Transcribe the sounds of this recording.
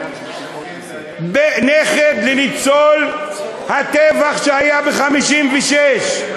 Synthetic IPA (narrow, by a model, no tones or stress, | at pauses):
beneχed̪lenit͡solhat̪evaχʃehajabeχamiʃimvɛʃeʃ